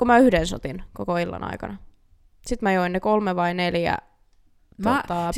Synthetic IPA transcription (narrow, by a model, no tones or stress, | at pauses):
kumæyhdenso̰t̪inkokoilːɑ̰nɑ̰ikɑ̰nɑ | sit̪mæjoinekolmeʋɑineljæ̰ | t̪ot̪ɑ